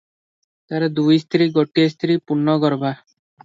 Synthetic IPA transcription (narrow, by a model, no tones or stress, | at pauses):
t̪aɾad̪ujst̪ʰɾiɡɔʈiast̪ʰɾipunːɔɡɔɾbʱa